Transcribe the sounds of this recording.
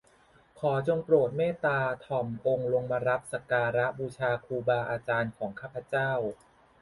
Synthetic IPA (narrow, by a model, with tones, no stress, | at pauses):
kʰɔː˩˦t͡ɕo˧ŋpɾoː˨˩t̪̚meː˥˩t̪aː˧t̪ʰɔ˨˩mʔo˧ŋlo˧ŋmaː˧ɾa˦˥p̚sa˧kaː˧ɾa˦˥ʔbuː˧t͡ɕʰaː˧kʰuː˧baː˧ʔaː˧t͡ɕaː˧nkʰɔː˩˦ŋkʰaː˥˩pʰa˧˦t͡ɕaː˥˩w